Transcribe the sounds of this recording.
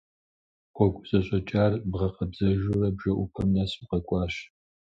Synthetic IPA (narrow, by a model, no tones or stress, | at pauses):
qʷɔɡʷʼzʼɐɕʼɔt͡ʃʼaːrbʁɐqɐbzɐʒurɐbʒɐʔʊpʰɐmnasiqɐkʷʼɑːɕ